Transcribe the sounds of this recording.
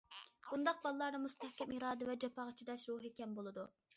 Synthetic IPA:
b̥und̪ɑq̚bɑlˠlˠɑɾnɨmust̪ʰæhkʲɛmiɾɑːd̪ɨvɛd͡ʒɑpʰɑːʁɑt͡ʃʰid̪ɑʃɾuɦekʲɛmbolˠɨd̪u

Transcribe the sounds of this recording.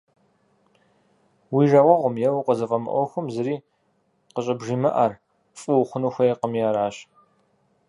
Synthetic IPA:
wiːʒɐʁʷɔʁʷʊmjɛwqəzɨfɐmɨ̰ʔʷɔxʷʊmzɨɾiː | qəɕʼɐbʒiːmɨʔɐr | fʼɨwχʷʊnuxʷɐjeqəmjaːɾaːɕ

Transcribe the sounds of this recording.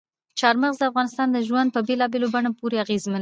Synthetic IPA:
t͡ʃɑɾməɣzd̪əafɣɑnɪst̪ɑnd̪əʒwand̪̚pəbelɑbelobaɳopoɾeaɣezman

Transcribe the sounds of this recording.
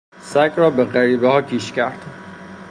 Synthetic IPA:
sækɾɒːbeɢæɾiːbehɒːkʰiːʃcʲæɾd̪̥

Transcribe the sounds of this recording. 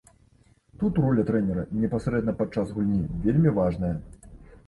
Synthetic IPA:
t̪ut̪rɔlʲɐt̪ɾɛnʲɛɾɐ̰nʲɛpasɾɛd̪nɐpat̪̚t͡ʂːazɣulʲnʲivʲelʲmʲivaʐnɐjɐ

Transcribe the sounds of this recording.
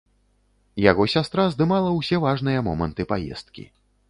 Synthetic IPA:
jaɣɔsʲast̪ɾazd̪ɨmalˠɐwsʲɛvaʐnɨjɐmɔmɐ̰nt̪ɨpajɛ̰st̪̚kʲḭ

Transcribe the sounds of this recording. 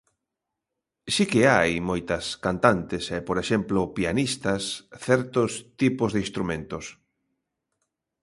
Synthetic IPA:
sikeajmojt̪ɐskant̪ant̪esɛpoɾeʃemplʊpianist̪ɐsθɛɾt̪ʊst̪ipʊzðeinst̪ɾumẽnt̪ʊs

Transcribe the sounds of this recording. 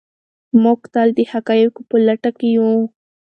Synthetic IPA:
mokt̪ald̪ehakajokupəlaʈakijũ

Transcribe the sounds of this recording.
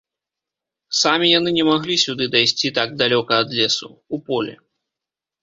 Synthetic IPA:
samʲijan̪ɨnʲɛmaɣlʲisʲud̪ɨd̪ajsʲt͡sʲit̪aɡ̚d̪alʲɔkɐːd̪lʲɛsṵupɔlʲɛ̰

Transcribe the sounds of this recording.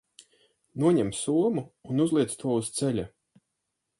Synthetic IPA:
nuɔɲɛmsuɔmuːnuzlˠiɛst̪uɔust̪sɛlʲa

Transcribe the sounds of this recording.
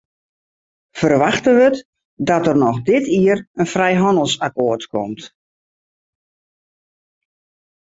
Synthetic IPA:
fərʋaxtənʋət | dɔtərnɔxdɪtʰiərənfrɛjɦɔndəl̩ˠsakoːərtkɔ̰mt

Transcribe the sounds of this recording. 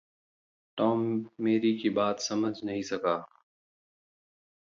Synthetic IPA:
ʈɔːmːeːɾikibaːt̪sɐməd͡ʒʱnɐɦĩsɐkaː

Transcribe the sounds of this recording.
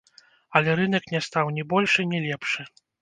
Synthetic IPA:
ɐlʲɛɾɨnɐknʲɛst̪awnʲibɔlʲʂɨnʲilʲɛpʂɨ

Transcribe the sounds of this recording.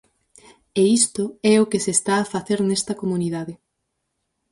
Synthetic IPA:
eist̪ʊɛʊkesest̪aːfaθeɾnɛst̪ɐkomuniðaðɪ

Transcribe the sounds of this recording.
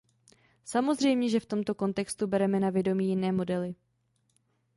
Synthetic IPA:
samo̞zr̝ɛjmɲɛʒɛft̪o̞mt̪o̞ko̞nt̪ɛkst̪ubɛɾɛmɛnavjɛdo̞miːjɪnɛːmo̞dɛlɪ

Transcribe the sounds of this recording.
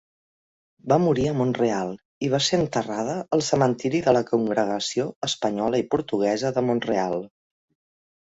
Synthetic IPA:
bamuɾiəmonrealˠ | iβ̞aseənt̪ərað̞əːlˠsəmənt̪iɾiðələkuŋɡɾəɣ̞əsioəspəɲɔləipuɾt̪uɣ̞ɛzəðəmonrealˠ

